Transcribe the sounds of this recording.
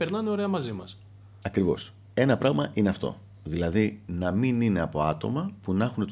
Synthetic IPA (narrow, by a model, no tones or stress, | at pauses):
pe̞ɾnɐneo̞ɾe̞ɐmɐzimɐs | ɐkɾivo̞̰s | e̞nɐpɾɐɣmɐʔine̞ɐft̪o̞̰ | ðilɐðinɐminine̞ɐpo̞ɐt̪o̞̰mɐpunɐxune̞t̪